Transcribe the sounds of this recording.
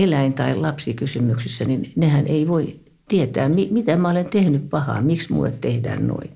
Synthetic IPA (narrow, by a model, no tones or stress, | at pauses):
elæint̪ɑillɑpsikysymyksisːæninnehænʔeiʋoi | t̪iet̪æːmimit̪æmæolent̪ehnyppɑhɑ̰ːmiksmṵːḛt̪t̪ehdæ̰ːnno̰i